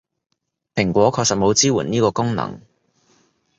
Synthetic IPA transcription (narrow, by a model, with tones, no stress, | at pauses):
pʰɪ˨˩ŋkʷɔː˨˥kʰɔː˧sɐ˨t̚mo˨˧wt͡siː˥wuː˨˩niː˥kɔː˧kʊ˥ŋnɐ̰˨˩ŋ